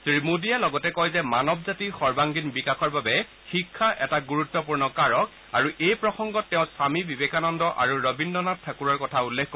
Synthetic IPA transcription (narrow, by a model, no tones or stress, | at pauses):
tɹimudijalɔɡɔtɛkɔjzɛmanɔbzatixɔɹbaŋɡinbikaxʰɔɹbabɛ | xikʰːaʔɛtaɡuɹutːɔpuɹnɔkaɹɔk̚ | a̰ɹuʔejpɹɔxɔŋɡɔtːɛʊ̃samibibekanɔndɔʔa̰ɹuɹɔbindɔnattʰːakuɹaɹkɔtʰaulːekʰkɔ